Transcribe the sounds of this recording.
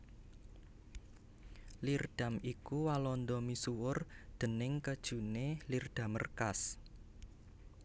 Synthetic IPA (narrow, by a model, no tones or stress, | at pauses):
lird̥a̤mikuwalɔnd̪ɔmisuwʊrd̪̥ə̤nɪŋkəd̥ʒ̥ṳnelird̪̥a̤mə̰rkas